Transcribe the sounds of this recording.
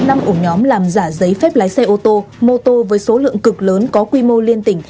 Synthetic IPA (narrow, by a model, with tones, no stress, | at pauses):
na˧mʔu˧˩ɲɔ˨˦mlaː˨˩mzaː˧˩zə˨˦jfɛ˦˥p̚laː˨˦jsɛ˧ʔo˧t̪o˧mo˧t̪o˧vəː˨˦jso˨˦lɨ̰˧˨əŋkɨ˨˩k̚ləː˨˦nkɔ˨˦kwi˧mo˧li˧ənt̪ï˧˩ŋ̟